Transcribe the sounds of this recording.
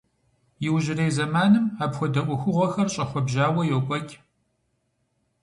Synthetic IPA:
jɪwʑɪrejzɐmaːnɨmaːpxʷɔdɐʔʷʊxʷʊʁʷɔxɐrɕʼɐxʷɔbʒaːwɐjɛwkʷʼɔkʲʼ

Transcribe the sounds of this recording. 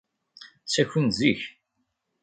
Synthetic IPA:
sæçʷənziç

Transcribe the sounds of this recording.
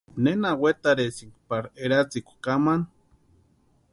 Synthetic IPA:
nenawet̪aɾesiŋkʷpaɾeɾat͡sikʷkaman

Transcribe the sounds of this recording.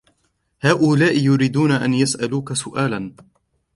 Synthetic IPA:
haːʔʊlaːʔɪjʊɾiːd̪uːnaʔanjasʔaluːkasʊʔaːlan

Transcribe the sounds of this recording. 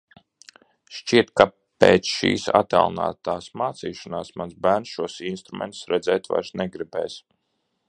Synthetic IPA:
ʃt͡ʃiɛt̪̚ka | peːt̪sʃḭːsa̰t̪æ̰lˠna̰ːt̪aːsmaːt̪siːʃanaːsmanzbæːɾnsʃuɔsinst̪ɾumɛ̰nt̪u̥sɾɛd̪zɛːt̪va̰jɾsnɛɡɾibɛːs

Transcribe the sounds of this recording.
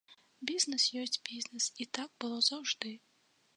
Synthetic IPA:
bʲiznɨsjɔsʲt͡sʲbʲiznɨsit̪aɡ̚bɨlˠɔzɐwʐd̪ɨ

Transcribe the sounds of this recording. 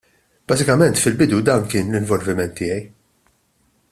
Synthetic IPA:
b̥ɐːzɪkɐmɛnt̪fɪlbɪd̪ud̪ɐːnkɪːnlɪɱvɔlvɪmɛnt̪ːɪːjɛj

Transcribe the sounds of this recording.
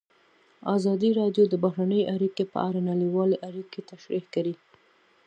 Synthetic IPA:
azɑd̪iɾɑɖjod̪əbaɦɾanəjʔaɾikepə̰ʔaɾanaliwɑleʔaɾiket̪aʃɾihkawi

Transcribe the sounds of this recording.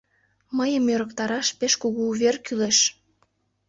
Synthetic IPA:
məjəmjøɾəkt̪ɑɾɑʃpeʃkuɣuːβerkyleʃ

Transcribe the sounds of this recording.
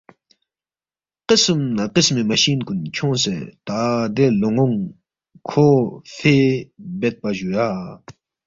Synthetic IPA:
qəsəmnaqəsmemaɕinkunt͡ɕʰoŋset̪ad̪eloŋoŋ | kʰofʰebɛt̪̚paʑuja

